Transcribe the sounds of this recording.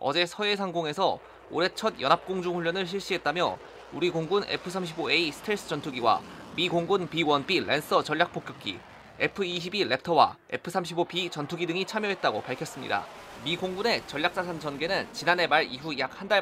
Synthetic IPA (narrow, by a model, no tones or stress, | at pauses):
ʌ̰d͡ʑe̞sʰʌe̞sʰaŋɡoŋe̞sʰʌ | o̰ɾet͡ɕʰʌdjʌnɦap̚k͈oŋd͡ʑuŋɸuɭːʌnɯɭɕ̬ʰiɭɕ͈iɦet̚t͈amjʌ̰ | uɾiɡoŋɡune̞̰pʰɯsʰamɕ̬ʰiboe̞isʰɯ̥tʰeɭs͈ʰɯ̥t͡ɕʌntʰuɡiwa̰miɡoŋɡunpiwʌnpiɭʔe̞ns͈ʌt͡ɕʌʎːjak̚p͈ok͈jʌk̚k͈ḭ | e̞pʰɯiɕ̬ʰibile̞p̚tʰʌwa̰e̞pʰɯsʰamɕʰibopit͡ɕʌntʰuɡidɯŋit͡ɕʰamjʌɦe̞t̚t͈aɡopaɭkʰjʌs͈ɯmɲḭda̰ | miɡoŋɡune̞t͡ɕʌɭːjak̚s͈asʰand͡ʑʌnɡe̞nɯnt͡ɕinane̞maɾiɦujak̚handa